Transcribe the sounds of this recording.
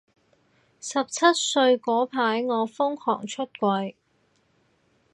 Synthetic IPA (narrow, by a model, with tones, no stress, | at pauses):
sɐ˨p̚t͡sʰɐ˥t̚sɵ˧ɥkɔː˨˥pʰaː˨˥jŋɔː˨˧fʊ˥ŋkʰɔ̰ː˨˩ŋt͡ʃʰɵ˥t̚kʷɐ˧j